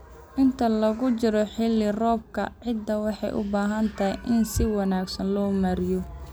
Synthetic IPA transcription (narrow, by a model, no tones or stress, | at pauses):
ʔɪnt̪ʰɐlɐɣʊt͡ʃɪɾɔħɪlːɪrɔːb̚kʰɐ̰ʕɪd̪ːɐwɑħɑ̰jʔʊ̰baːɦɐnt̪ʰɐɦɛʔɪnsɪwɑnaːɡsɐnlɔːmɐɾɪjɔ